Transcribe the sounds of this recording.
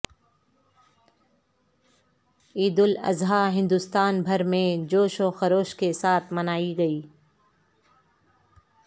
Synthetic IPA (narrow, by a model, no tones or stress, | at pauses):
iːd̪ʊlɐ̰zɦaɦɪ̃nd̪ʊst̪aːnbʱɐɾmẽd͡ʒoːʃoxɐɾoːʃkesaːt̪ʰmɐnaːiɡɐiː